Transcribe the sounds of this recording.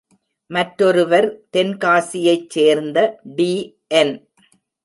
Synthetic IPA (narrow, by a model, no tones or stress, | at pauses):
mɐʈɾɔɾɯʋɐɾt̪ɛnkaːsɪjɐɪt͡ʃt͡ʃːeːɾnd̪ɐɖiː | ʔɛn